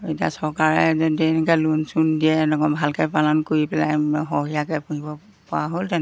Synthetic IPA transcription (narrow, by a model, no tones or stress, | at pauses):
etia̰sɔɹkaɹɛzɛdɛnɛkɛlunsundiɛnɔɡɔbʱalkɛpalankoɹipɛla̰jɦɔɦijakɛpuɦibɔ | pɔaɦoltɛn